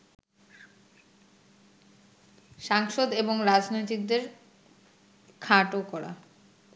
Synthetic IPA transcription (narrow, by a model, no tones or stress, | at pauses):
ʃaŋʃod̪eboŋɾad͡ʑnojt̪ik̚d̪eɾ | kʰaʈokɔɽa̰